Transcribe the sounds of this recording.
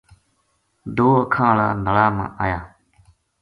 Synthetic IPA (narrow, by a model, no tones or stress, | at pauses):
d̪oːəkʰãːlaːnəɭaːmã̰ːʔaːjaː